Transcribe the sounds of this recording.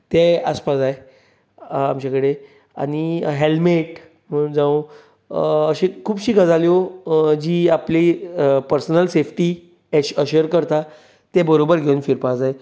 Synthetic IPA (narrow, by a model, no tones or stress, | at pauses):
t̪eəspasae | amt͡ɕakəɽe | a̰ɽ̃iɦelmeʈ | məd͡zã | əɕẽkʰuːbɕiːkəd͡zaljod͡ʑiːaplipəɾsənəlsefʈi | əɕəɾkəɾt̪a | t̪ɛbəɾobəɾɡʱeunfiɾpasae